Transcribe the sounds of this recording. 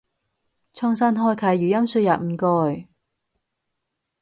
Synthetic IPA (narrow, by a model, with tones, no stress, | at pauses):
t͡ʃʰɔː˥ŋsaː˥nɦɔː˥jkʰɐ˨˩jjyː˨˩jɐ˥msyː˧ja̰ː˨t̚m̩˨˧kɔː˧j